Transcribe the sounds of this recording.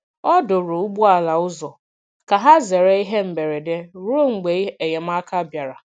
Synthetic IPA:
ɔ˦do˨ɾo˨u˦bu˦a˨la˨ʊ˦zɔ˨ | ka˨ɦa˦ze˨ɾe˦i˦ɦe˦m̩˨be˨ɾe˨de˦ɾo˦ŋ͡m̩˨ɡ͡be˨i˦e˨je˨m̩˦a˦ka˦bja˨ɾa˨

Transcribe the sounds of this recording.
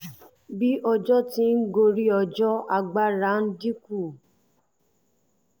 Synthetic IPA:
bi˦ʔɔ˧d͡ʒɔ˦ti˦n̩˦ɡo˧ɾi˦ɔ˧d͡ʒɔ˦a˧˨ɡ͡ba˦ɾa˨˦n̩˦di˦ku˦˨

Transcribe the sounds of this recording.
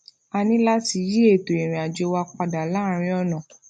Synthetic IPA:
a˧nĩ˦la˦ti˧˦ji˦e˦˨to˨e˨ɾ̃ĩ˨a˨d͡ʒe˧wa˧k͡pa˧da˨la˦ɾ̃ĩ˧˦ɔ˦˨nã˨

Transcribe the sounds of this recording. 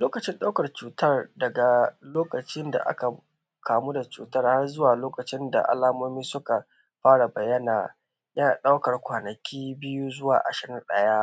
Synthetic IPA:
loː˦kɐ˨t͡ʃɪ˦nɗa˦wkɐ˨rt͡ʃuː˨tɐ˦rdɐ˨ɡa˨loː˦kɐ˨t͡ʃɪ˦nda̰˨ʔa̰˦ka˨ | kʰaː˨mu˦da˨t͡ʃṵː˨tɐ˦rha˦rzʊ˦waː˨loː˦kɐ˨t͡ʃɪ˦nda̰˨ʔa̰˦laː˦moː˦miː˦sʊ˦ka˨ | ɸaː˦ɽa˨bɐ˨jːɐ˦naː˨ | jɐ˦na˨ɗa˦wkɐ˨rkʷaː˨nɐ˨kʲʰiː˦bɪ˦ju˦zʊ˦wa̰ː˨ʔa̰˨ʃɪ˨˦ɽɪ˦nɗɐ˦jaː˦ʔ

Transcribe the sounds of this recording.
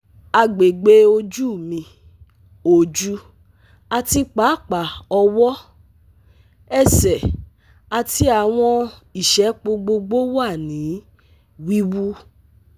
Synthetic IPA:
a˧ɡ͡be˨ɡ͡be˧˦o˧d͡ʒu˦˨mĩ˧ | o˨d͡ʒu˦ | a˧ti˧k͡pa˨˦˨k͡pa˨ɔ˧wɔ˦ | ɛ˦˨sɛ˨ | a˨˧ti˦a˨w̃ɔ̃˧i˨ʃɛ˨˦k͡po˧ɡ͡bo˧ɡ͡bo˦wa˦˨nĩ˨˦ | wi˦wu˦

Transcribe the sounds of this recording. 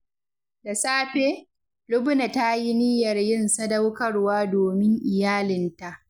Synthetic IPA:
da˨saː˦ɸeː˦ | lʊ˦bʊ˦na˨ta˦ji˦nɪ˦jɐ˨rjɪ˦nsɐ˦da˦wkɐ˦rwaː˦doː˨mɪ˦ŋʔɪ˨jaː˦lɪ˨nta˨ʔ

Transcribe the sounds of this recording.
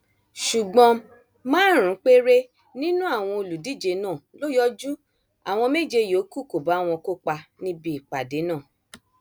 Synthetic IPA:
ʃu˨ɡ͡bɔ̃˧ | mãː˦ɾ̃ũ˨˦k͡pe˦ɾe˦ | nĩ˦nũ˦a˦˨w̃ɔ̃˧o˧lu˨di˦˨d͡ʒe˧nãː˦˨lo˦jɔ˦d͡ʒu˦ | a̰˨w̃ɔ̃˧me˦˨d͡ʒe˧jo˨˦ku˦˨ko˨ba˨˦w̃ɔ̃˧ko˦k͡pa˧nĩ˦bi˦i˨k͡pa˨de˨˦nãː˦˨

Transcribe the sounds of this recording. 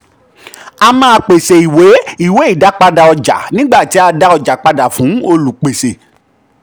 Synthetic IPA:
a˧mãː˦˧k͡pe˨se˨i˨we˨˦i˦˨we˨˦i˦˨da˨˦k͡pa˧da˨ɔ˧d͡ʒa̰˨nĩ˦ɡ͡ba˦˨ti˨˦a˧da˦ɔ˧d͡ʒa˨k͡pa˧da˨fũ˨˦o˧lu˨k͡pe˨se˨

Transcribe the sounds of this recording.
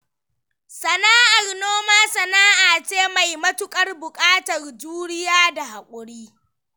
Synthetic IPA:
sɐ˨naː˦ʔa˨rnoː˦maː˦sɐ˨naː˦ʔaː˨t͡ʃeː˦ma˨jmɐ˦tʊ˦kʼɐ˦rbʊ˨kʼaː˦tɐ˨rd͡ʒuː˦ɽɪ˦jaː˦da˨ɦa˨kʷʼʊ˨ɽiː˦

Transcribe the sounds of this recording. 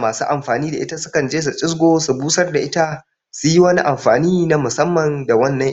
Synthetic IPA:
maː˨suː˦ʔa˨mɸaː˨niː˦da̰˨ʔɪ˦ta˦sʊ˦kɐ˨nd͡ʒeː˦s̬u˨t͡ʃʼɪ˦sɡʷoː˦su˨buː˦sɐ˦rda˨ʔɪ˦ta˦ | sʊ˨ji˦wɐ˦ni˦ʔa˨mɸaː˨niː˦na˦mʊ˨sɐ˦mːɐ˨nda˨wɐ˦nːɐ˦ŋ

